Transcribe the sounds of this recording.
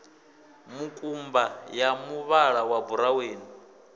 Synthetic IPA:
mukʼumbajamuβaɺawabuɾaweːni

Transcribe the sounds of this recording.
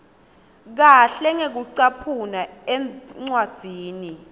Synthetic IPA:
k̬aɬɛŋek̬uǀapʰunaɛŋ͡ǀwad̥z̥ʱiːni

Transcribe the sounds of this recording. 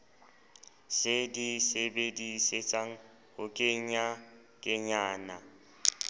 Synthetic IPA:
sɪdisebediset͡sʼaŋ̩ | hʊkʼɪɲ̩a | kʼɪɲaːna

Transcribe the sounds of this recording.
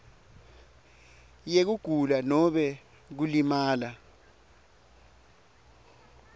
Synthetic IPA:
jek̬uɡ̥ʱulanɔɓɛ | k̬ulimaːla

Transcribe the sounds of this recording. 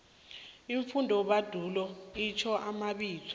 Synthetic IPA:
iɱfundʱɔɓad̥ʱulɔit͡ʃʰɔʔamaɓiːt͡sʰɔ̥

